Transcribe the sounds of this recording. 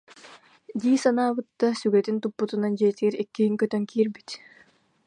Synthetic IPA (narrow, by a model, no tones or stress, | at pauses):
d̪iːsanaːbɯt̪ːasyɡɛt̪int̪upːut̪unand͡ʑiɛt̪iɡɛɾɛkːiɦiŋkœt̪œŋkiːɾbit̪